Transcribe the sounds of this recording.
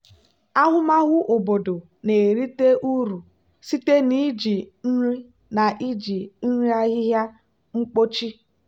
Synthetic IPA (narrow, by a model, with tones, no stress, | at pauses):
a˦ɦʊ˦ma˦ɣʊ˦ʔo˨bo˨do˨ | ne˨ɾi˦te˦ʔu˦ɾu˨ | si˦te˦ni˦d͡ʒi˨n̩˦ɾi˦ | na˨ʔi˦d͡ʒi˨n̩˦ɾi˦a˦ɣɪ˦ɦja˦ | ŋ͡m̩˦k͡po˦t͡ʃi˦